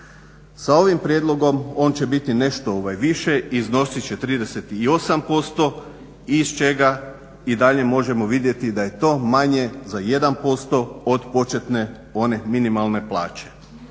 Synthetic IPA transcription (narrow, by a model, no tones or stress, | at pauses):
sao̞ʋimpɾʲjed̪lˠo̞ɡo̞mo̞ːnt͡ɕe̞bit̪ine̞ʃt̪o̞oʋajʋiʃe̞izno̞sit͡ɕe̞t̪ɾiːd̪e̞se̞t̪iːo̞sampo̞st̪o̞ | ist͡ʃe̞ɡa | id̪aʎe̞mo̞ʒe̞mo̞ʋid̪je̞t̪id̪aje̞t̪o̞ːmaɲe̞zaje̞d̪anpo̞st̪o̞od̪po̞t͡ʃet̪ne̞ | o̞ne̞minimalˠne̞plˠaːt͡ɕe̞̥